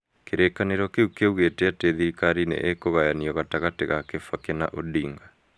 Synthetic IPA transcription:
keɾekaneɾɔkeukeuɣeteateðikaɾinḛʔekoɣajaniɔɣataɣateɣakefwakena̰ʔodiːŋɡa

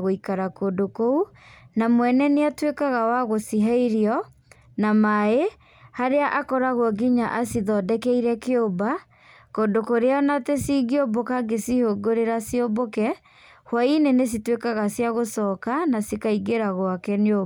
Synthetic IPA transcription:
ɣoikaɾakondokounamwɛnɛneatwekaɣawaɣosiɦaiɾiɔ | namae | haɾeaʔakɔɾaɣwɔɡiɲaʔasiðɔdɛkɛiɾɛkeoba | kondokoɾeaɔnatesiːɡeobokaɡesihoɡoɾeɾasiobokɛ | hwainenes̬itwekaɣasjaɣosɔkanasikaiɡeɾaɣwakɛno

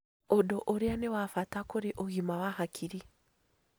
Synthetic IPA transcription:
odoʔoɾeanewafatakoɾeʔoɣimawahakʰiɾi

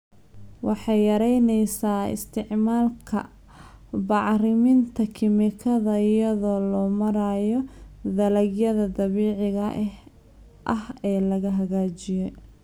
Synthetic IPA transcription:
wɑħɑjjɐɾɛjnɛjsaːɪ̰st̪ʰɪʕmaːlkʰɐ̰ | bɑʕrɪmɪnt̪ʰɐkʰɪmɪkʰɐðɐɪjɐðɔːlɔːmɐɾaːjɔðɐlɐɡjɐðɐd̪ɐβiːʕɪɣɐʔ | ʔɐhɛːlɐɣɐɦɐɣaːt͡ʃɪjɛ

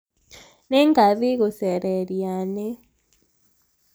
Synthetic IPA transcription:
nɛŋɡaðɪɣʊsɛɾɛɾjane

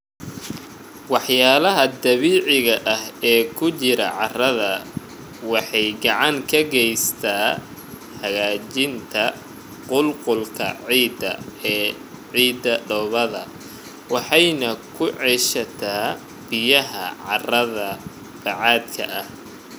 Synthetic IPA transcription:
wɑħjaːlɐɦɐd̪ɐβiːʕɪɣɐʔɐɦɛːkʰʊt͡ʃɪɾɐʕɑrɐðɐ | wɑħɑjɡɑʕɑŋkʰɐɡɛjst̪ʰaː | hɐɣaːt͡ʃɪnt̪ʰɐ | qʊlqʊlkʰɐ̰ʕiːd̪ɐ̰ɛː | ʕiːd̪ɐɖɔβɐðɐ | wɑħɑjnɐkʰʊʕɛʃɐt̪ʰaː | b̥ɪjɐɦɐ̰ʕɑrɐðɐ | b̥ɑʕɑːd̪kʰɐ̰ʔɐh

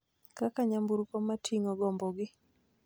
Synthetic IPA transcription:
kakaɲambuɾkɔmatʰiŋɔɡɔmbɔɡɪ

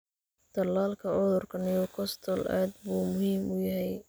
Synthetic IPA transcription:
d̪̥ɐlːaːlkʰɐʔɔðɔrkʰɐnɪjɔkʰɔst̪ʰɔlʔa̰ːd̪buːmʊhiːmʔʊjɐɦɛj

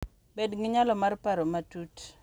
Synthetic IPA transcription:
bedŋɪɲalɔmarpaɾɔmatut

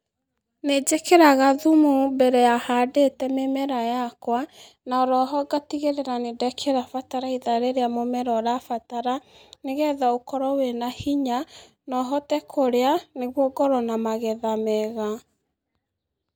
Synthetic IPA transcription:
ned͡ʒekeɾaɣaðumubɛɾɛjahadetɛmemɛɾajakwa | naɔɾɔɦɔɡatiɣeɾeɾanedɛkʰeɾafataɾaiðaɾeɾeamomɛɾɔɾafataɾaneɣɛðaokɔɾɔwenahiɲa | nɔɦɔtɛkʰoɾeaneɣwoɡɔɾɔnamaɣɛðamɛɣa

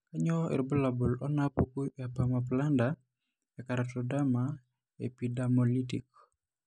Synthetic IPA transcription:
kaɲɔɛ̰ɾbulabulɔnapukuapamap̬landa | jakaɾatɔdama | ḛpidamɔlitḭk̚

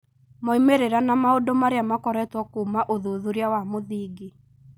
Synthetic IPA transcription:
mɔimeɾeɾanamaodomaɾeamakɔɾɛtwɔkuːmaʔoðuðuɾjawamoðiːɡe

